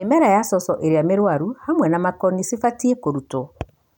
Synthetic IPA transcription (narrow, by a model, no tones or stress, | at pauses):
emɛɾajasɔsɔʔeɾeameɾwaɾuhamwɛnamakɔnisifatiekoɾutɔ